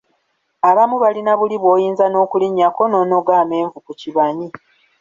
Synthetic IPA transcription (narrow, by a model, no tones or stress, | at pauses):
aβamuβalinaβuliβwo̞ːjiːnzano̞ːkuliɲːako̞no̞no̞ɡaːmeːɱvukuciβaɲi